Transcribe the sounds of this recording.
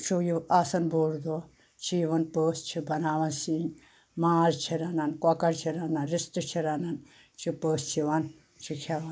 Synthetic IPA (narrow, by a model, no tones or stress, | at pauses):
t͡ʃʰujiaːsɐnboːɾd̪o | t͡ʃʰiʋɐnpəːst͡ʃʰibɐnaːʋɐnsin | maːɾt͡ʃʰiɾɐnɐnkɔkɐɾt͡ʃʰiɾɐnɐnɾist̪ɨt͡ʃʰiɾɐnɐn | t͡ʃʰipəːst͡ʃʰiʋɐn | t͡ʃʰikʰɐʋɐn